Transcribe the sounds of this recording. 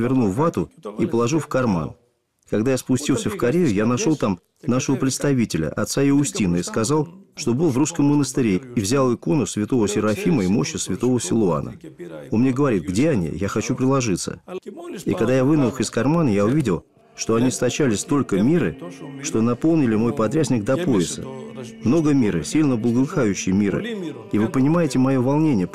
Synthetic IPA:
vʲɪrnuvat̪ʊipəlˠɐʐufkɐrma̰n | kɐɡd̪ajaspʊsʲtʲilˠsʲəfkɐɾʲejʊjanɐʂo̞lˠt̪am | naʂəvəpɾʲɪt̪st̪ɐvʲitʲɪlʲə̰ʔɐ̰t̪saɪʊsʲtʲinəiskɐzalˠʂt̪o̞bɨlˠvɾuskəmːənəst̪ɨɾʲeivzʲalˠɨko̞nʊsvʲɪt̪o̞vəsʲɪɾɐfʲiməimo̞ɕːəsvʲɪt̪o̞vəsʲɪlˠʊa̰nə̰onmnʲeɡəvɐɾʲit̪̚ɡdʲe̞ɐnʲḭjaxɐt͡ɕupɾʲɪlˠɐʐɨt̪sə̰ | ḭkɐɡd̪ajavɨnəxɪskɐrmanəjaʊvʲidʲɪlˠ | ʂt̪o̞ɐnʲist̪ɐt͡ɕælʲɪsʲt̪o̞lʲkəmʲiɾɨʂt̪o̞nɐpo̞lˠnʲɪlʲɪmo̞jpɐd̪ɾʲæsʲnʲɪɡ̚d̪ɐpo̞ɪsə̰mno̞ɡəmʲiɾɨ̰sʲilʲnəblˠəɡəlˠɨxajʉɕːɪjəmʲiɾɨ̰ | ivɨpənʲɪmajɪtʲɪmɐjo̞vɐlˠnʲenʲɪjə

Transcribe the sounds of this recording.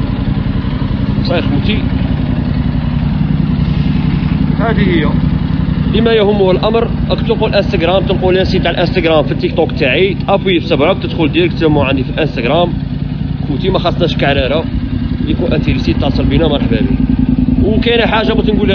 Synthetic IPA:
sˤɑxut̪i | hæd̪ihəjːæ | bimæjæhʊmːuhəlʔæmɾʔækt̪əqulʔə̃nst̪æɡɾæmt̪ənqulænsit̪aʕəlʔənst̪æɡɾæmfit̪ːik̚t̪ɔkt̪ːaʕit̪ʔæpifsəbʕək̚t̪əd̪xʊld̪iɾək̚t̪həmːuʕand̪ifilʔə̃nst̪æɡɾˤæm | kut̪imæxɑsˤnæʃkaʕɾæɾæjækunʔənt̪iɾisit̪ːʕsˤəlbinæmɑɾˤħbæ̰bḭwkæjnæħaʒːamut̪ənɡul

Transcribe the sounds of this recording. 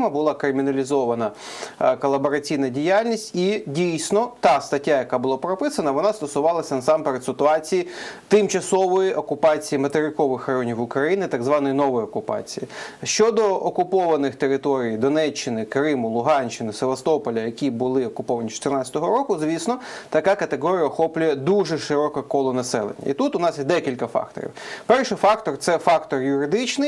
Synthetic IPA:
mɐbʊlˠɑkɾɪmʲinɐlʲizɔʋɐnɐkɔlˠːɐbɔɾɐt͡sʲijnɐdʲijalʲnʲisʲtʲidʲijsʲnɔt̪ɑst̪ɐtʲːajɐkabʊlˠapɾɔpɪsɐnɐʋɔnɑst̪ɔsʊʋɑlˠɐsʲɐnɐsɑmpeɾesɪt̪ʊɑt͡sʲijit̪ɪmt͡ʃɐsɔʋɔjiʔɔkʊpɑt͡sʲijimɐt̪eɾɪkɔʋɪxrɐjɔnʲiwʊkɾɐjinɪt̪aɡzʋɑnɔjinɔʋɔjɔkʊpɑ̰t͡sʲijiʃt͡ʃɔd̪ɔɔkʊpɔʋɐnɪxt̪eɾɪt̪ɔɾʲijd̪ɔnɛt͡ʃːɪnɪkɾɪmʊlˠʊɦɑnʲt͡ʃːɪnɪseʋɐst̪ɔpɔlʲɐjɐkʲibʊlˠɪɔkʊpɔʋɐnʲit͡ʃɔ̥t̪ɪrnɑt͡sʲɐt̪ɔɦɔɾɔkʊzʲʋʲisnɔt̪ɐkɑkɐt̪eɦɔɾʲijɐɔxɔplʲʊjɛd̪uʒɛʃɪɾɔkɐkɔlˠɔnɐsɛlˠḛnʲːɐ̰ḭt̪ut̪ʊnɑsjɛd̪ɛkʲilʲkɐfɑ̰k̚t̪ɔ̰ɾʲḭwpɛrʃɪfɑkt̪ɔrt̪sɛfɑkt̪ɔrjʊɾɪd̪ɪt͡ʃnɪj

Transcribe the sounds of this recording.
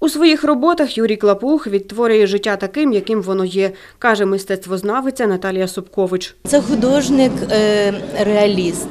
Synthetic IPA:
usʋɔjixrɔbɔt̪ɐxjuɾʲijklˠɐpuxʋʲid̪̚t̪ːʋɔɾʲʊjɛʒɪtʲːat̪ɐkɪmjɐkɪmʋɔnɔjɛ | kɑʒɛmɪst̪ɛt̪st̪ʋɔznɑʋɪt͡sʲːɐnɐt̪ɑlʲijɐsʊpkɔʋɪt͡ʃt̪sɛxʊd̪ɔʒnɪk | ɾeɐlʲiz

